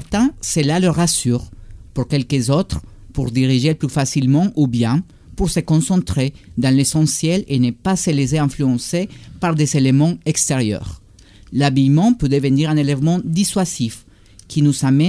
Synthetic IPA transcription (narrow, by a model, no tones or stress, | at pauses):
ɛʁt̪ɛ̃selaløʁasyʁpuɾkɛlkəzot̪ʁ | puʁd̪iʁiʒeplyfasilmɑ̃ʔubjɛ̃ | puɾsekõsɑ̃nt̪ʁed̪ãlesɑ̃sjɛlenepaseles̬eɛ̃ɱflyɑ̃sepaʁd̪ezelemɑ̃ekst̪eʁjœ̰ʁ | labijmɑ̃pød̪əvəniʁɛ̃nelevmɑ̃d̪iswazif | kʰinuzamɛ